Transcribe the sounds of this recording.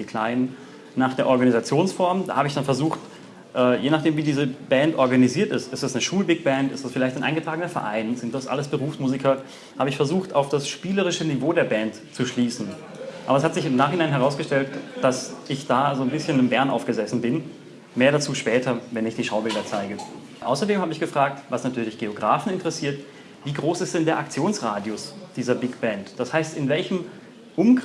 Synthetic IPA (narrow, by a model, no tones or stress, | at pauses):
d̥iːkʰl̥aɪnən | naːχd̥eːɐʔɔɐɡanizat͡sjoːnsfɔɐmda̰ːhaːbəɪçd̥anfɛɐzuːxt | ʔɛːjeːnaχd̥eːmviːdiːzəb̥ɛntʔɔɐɡaniziːɐtɪstɪstd̥asnəʃuːlbɪk̚b̥ɛntɪ̰std̥asfɪlaɪçtaɪnʔa̰ɪnɡətʁ̥aːɡənɐfɛɐʔa̰ɪnzɪnt̚d̥asʔa̰ləsb̥əʁuːfsmuːzikʰɐ | haːbəɪçfɛɐzuːxtaʊfd̥asʃpiːləʁ̞ɪʃənivoːdeːɐbɛnt | t͡suʃliːsn̩ | ʔʔaːbɐɛshatz̥ɪçɪmnaːχhɪnaɪnɦɛʁaʊsɡ̥əʃtɛltd̥asʔɪçd̥aːzoːnbɪsçənɪmbɛɐnʔa̰ʊfɡ̥əzɛsn̩bɪn | meːɐɾat͡suːʃpɛːtʰɐvɛnɪçd̥iːʃaʊbɪldɐt͡saɪɡə | ʔa̰ʊsɐdeːmhaːbəɪçɡ̥əfʁ̥aːk̚tvasnatʰyːɐlɪçɡ̥eoɡʁaːfn̩ɪntəʁɛsiːɐt | viːɡʁoːsɪstd̥ɛndeːɐʔak̚t͡sjoːnsʁaːdjʊsd̥iːzɐbɪkb̥ɛntd̥ashaɪstɪnvɛlçəm | ʔʊm